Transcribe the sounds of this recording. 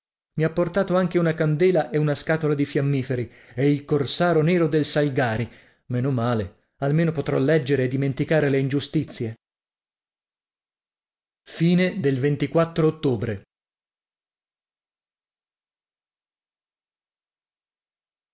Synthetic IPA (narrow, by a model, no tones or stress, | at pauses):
miapːort̪aːt̪oaŋk̟eunakand̪eːlaʔeunaskaːt̪olad̪ifjamːiːfeɾi | ɛilkorsaːɾoneːɾod̪elsalɡaːɾi | menomːaːle | almeːnopot̪ɾɔlːɛd͡ʒːeɾeːd̪ːiment̪ikaːɾeleind͡ʒust̪it̪sːje | fiːned̪elvent̪ikwat̪ːɾoːt̪ːoːbɾe